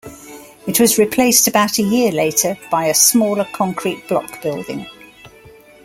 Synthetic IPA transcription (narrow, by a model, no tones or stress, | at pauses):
ɪʔwɒzɹɪpʰl̥eɪstəbaʊtʰəjɪəleɪtʰəb̥aɪəsmɔːləkʰɒ̃ŋkʰɹiʔb̥lɒ̰kb̥ɪlˠdɪ̰̃ŋ